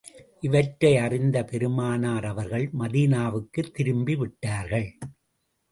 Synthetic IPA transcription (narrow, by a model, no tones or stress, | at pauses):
ʔɪʋɐʈɾɐɪɐrɪnd̪ɐpɛɾɯmaːnaːɾɐʋɐɾɣɐɭmɐðiːnaːʋɯkːɯt̪ːɪɾɯmbiʋɪʈːaːɾɣɐɭ